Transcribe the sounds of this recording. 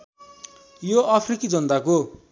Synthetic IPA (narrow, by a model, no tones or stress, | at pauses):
joapʰrikid͡zʌnt̪ako